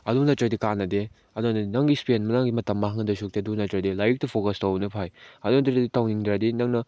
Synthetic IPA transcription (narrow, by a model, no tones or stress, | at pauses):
ɐdunɐtɾɐdikanːɐde | ɐdunɐnɐŋɡispenmɐnaŋɡimɐtɐmːɐɦaŋɐdɐsuk̚teɐdunɐtɾɐdilajk̚tupʰokɐstɐwnɐpʰajɐdunɐtɾaditawniŋdɾadinɐŋnɐ